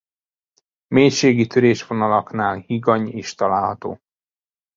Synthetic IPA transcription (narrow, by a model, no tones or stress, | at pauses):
meːjʃeːɡit̪øɾeːʃvo̞nɒlɒknaːlhiɡɒɲeːʃt̪ɒlaːlhɒt̪o̰ː